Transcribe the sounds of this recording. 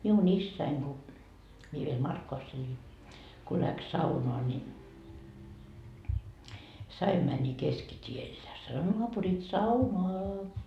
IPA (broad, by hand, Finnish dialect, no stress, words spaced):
miun isːæiŋ ku mie ʋiel mɑrkːoʋɑsː elin ko læks sɑunoɑ ni s ɑim mæni keskitʲiel jɑ sɑno noɑpurit sɑunoɑ